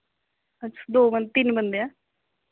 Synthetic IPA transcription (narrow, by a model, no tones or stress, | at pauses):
ətːʃʰḁd̪oːbənt̪ɪnbənd̪eãː